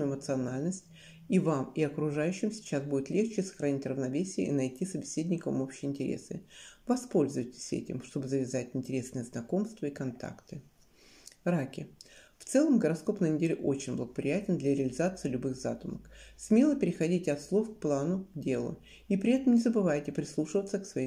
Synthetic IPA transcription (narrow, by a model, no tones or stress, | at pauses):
ɪmət̪sɨɐnalʲnəsʲtʲ | ivamiɐkɾʊʐajʉɕːɪmsʲɪ̥t͡ɕasbudʲɪt̪lʲe̞xt͡ɕɪsə̥xɾɐnʲitʲrəvnɐvʲesʲɪjə̰ʔḭnɐjtʲisəbʲɪsʲedʲnʲɪkəmo̞pɕɪjɪnʲtʲɪɾʲḛsɨ̰vɐspo̞lʲzʊvəjtʲɪ̥sʲɛ̰tʲɪ̰mʂt̪o̞bɨzəvʲɪzatʲɪnʲtʲɪɾʲe̞snɨjəznɐko̞mst̪vəikɐnt̪a̰kt̪ɨ | ɾakʲɪft̪sɛlˠəmɡəɾɐsko̞pnəjnʲɪdʲelʲɪʔo̞t͡ɕɪnʲblˠəɡəpɾʲɪ̰jætʲɪnd̪lʲɐɾʲɪəlʲɪzat̪sɨɪːlʲʊbɨɣza̰t̪ʊməksʲmʲe̞lˠəpʲɪɾʲɪxɐdʲitʲɪɐt̪slˠofk̚plˠanʊdʲe̞lˠʊ̰ | ipɾʲɪɛt̪əmnʲɪzəbɨvajtʲɪpɾʲɪslˠuʂɨvət̪səksvɐje